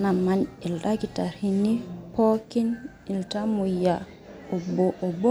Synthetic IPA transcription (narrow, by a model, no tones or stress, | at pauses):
namːanɛlɗakitaɾhinipokin | iltamuja | ɔbɔʔɔbɔ